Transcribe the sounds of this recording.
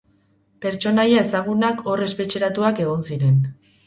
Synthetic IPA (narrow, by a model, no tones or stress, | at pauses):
pe̞ɾt͡ʃo̞najae̞saɣ̞unakʰo̞re̞spe̞t͡ʃeɾat̪uake̞ɣ̞o̞nsiɾe̞n